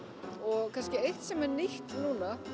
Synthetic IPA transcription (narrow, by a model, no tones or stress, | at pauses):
ɔɣkʰanscɪejht̪sɛmɛɾniht̪nũːna